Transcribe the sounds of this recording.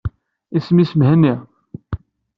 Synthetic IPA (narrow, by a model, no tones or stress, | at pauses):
isəmisəmɦənːi